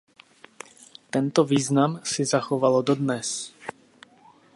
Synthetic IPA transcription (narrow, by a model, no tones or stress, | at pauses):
t̪ɛnt̪ɔviːznamsizaxɔʋalɔd̪ɔd̪nɛs